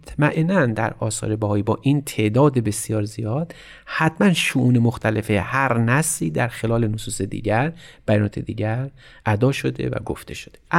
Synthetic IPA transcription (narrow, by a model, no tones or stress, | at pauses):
t̪ʰmæʔenænd̪æ̰ɾɒːsɒ̰ːɾe̞bæhɒːibɒːʔint̪ʰe̞ʔd̪ɒːd̪ebe̞sjɒːɾzijɒːd̪̥ | hæt̪mænʃuʔuːnemoxt̪ʰæle̞fehæɾnæsliːd̪æɾxe̞lɒːlenosuːsed̪ḭːɟæɾb̥æjɒːnɒːt̪ʰed̪ḭːɟæɾ | ʔæd̪ɒːʃo̞d̪e̞̰væ̰ɡo̰ft̪ʰe̞ʃo̥d̪̥e